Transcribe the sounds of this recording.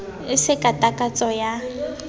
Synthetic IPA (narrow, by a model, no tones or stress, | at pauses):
ɪsɪkʼatʼakʼat͡sʼɔja